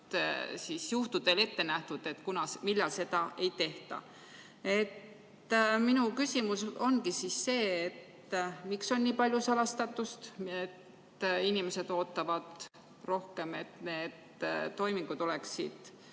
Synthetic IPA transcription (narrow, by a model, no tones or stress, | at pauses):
sisjuht̪ud̪̥e̞le̞t̪ːe̞næht̪ud̪̥e̞t̪ːˑkunɑsmilːɑlse̞d̪ɑʔe̞jt̪e̞ht̪ɑ̰ | e̞t̪ː | minukysʲimuso̞nɡisisːe̞ːet̪ː | mikso̞nniːpɑlʲjusɑlɑst̪ɑt̪ːˑust̪et̪ː | inime̞se̞d̪̥o̞ːt̪ːˑɑvɑd̪̥ | ro̞hke̞me̞t̪neːd̪̥ | t̪ːo̞jmiŋɡ̥ud̪̥o̞le̞ksḭd̪̥